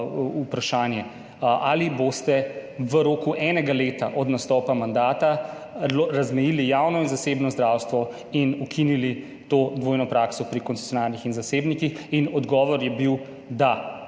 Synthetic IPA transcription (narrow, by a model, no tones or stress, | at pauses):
upɾaʃaːnjɛ | ʔalibost̪ɛʋəɾoːkuʔɛːnɛɡaleːt̪a̰ʔɔd̪nast̪ɔːpamand̪aːt̪a | ɾazmɛjilijaːwnɔinzaseːbnɔzd̪ɾawst̪ʋɔ | inukʰinili | t̪oːd̪ʋoːjnɔpɾaːksɔpɾikɔnt̪se̥t͡ssjɔnaːlnixinzaseːbnikixinɔd̪ɡɔːʋɔɾjɛbiw | d̪a